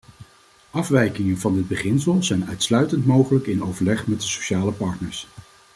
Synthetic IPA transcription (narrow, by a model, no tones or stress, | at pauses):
ʔɑfʋɛjkɪŋənvɑndɪd̚bəχɪnsəlˠzɛjnœɥtslœɥtəntmowχələkɪnowvəɹlɛχmɛt̚dəsoʃaːləpɑɹtnəɹs